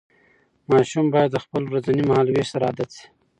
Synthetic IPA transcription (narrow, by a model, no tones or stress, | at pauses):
mɑʃumbɑjad̪ːəxpəlwɾazanimahɑlweʃsaɾɑ̰d̪at͡si̥